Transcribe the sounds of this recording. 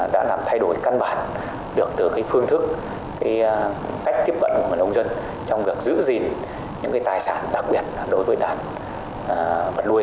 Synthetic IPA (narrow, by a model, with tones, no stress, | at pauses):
ɗa̰ː˧˥laː˨˩mt̪ʰa˧jɗo˧˩jka˧nɓaː˧˩n | ɗɨ˨˩ək̚t̪ɨ˨˩kaː˨˦jfɨ˧əŋt̪ʰɨ˦˥k̚ː | aː˨˦j | ka˦˥jk̚t̪i˦˥əp̚ɓə̰˧˨nku˧˩ŋ˨˩ʔə˧ŋ͡mzə˧n | t͡ɕɔ˧wŋ͡mvi˨˩ək̚zɨ̰˧˥zi˨˩n | ɲɨ̰˧˥ŋkaː˨˦jt̪aː˨˩jsaː˧˩nɗa˨˩k̚ɓi˨˩ət̚ːɗo˨˦jvəː˨˦jɗaː˧˩nː˨˩ | və˨˩t̚lu˧əj